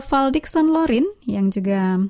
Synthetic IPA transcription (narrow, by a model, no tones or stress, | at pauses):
faldiksɔnlɔɾinjaŋd͡ʒuɡa